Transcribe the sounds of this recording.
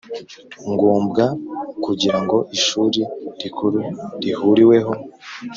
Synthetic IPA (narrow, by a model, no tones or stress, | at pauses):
ŋɡuːmbɡakuɟiɾaŋɡo̞ʔiʃuɾiɾikuɾuɾihuɾiwe̞ɦo̞